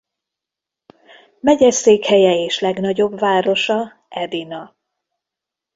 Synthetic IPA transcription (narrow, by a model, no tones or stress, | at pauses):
mɛɟɛseːkhɛjɛeːʃlɛɡn̪ɒɟo̞bvaːɾo̞ʃɒ | ɛd̪inɒ